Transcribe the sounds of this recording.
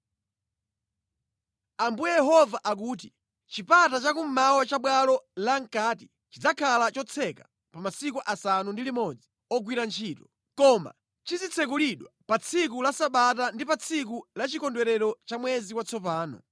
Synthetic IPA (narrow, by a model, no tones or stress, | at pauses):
ambujɛjɛɦɔvaʔak̬uːt̬i | t͡ʃipatat͡ʃakum̩mawat͡ʃaɓwalɔlaŋ̩kati | t͡ʃid͡zakʰalat͡ʃɔt͡sʰɛka | pamasikuʔasanundilimɔd͡zi | ɔɡwiɾant͡ʃʰiːtɔ | kɔma̰ | t͡ʃizit͡sʰɛk̬uliɗwapat͡sʰikulasaɓatandipat͡sʰik̬ulat͡ʃikɔndwɛɾɛɾɔt͡ʃamwɛziwat͡sʰɔpaːnɔ̰